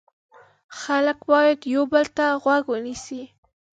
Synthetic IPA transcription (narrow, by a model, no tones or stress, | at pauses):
xaləkwɑjat̪jobəlt̪aɣwaɡwənɪsi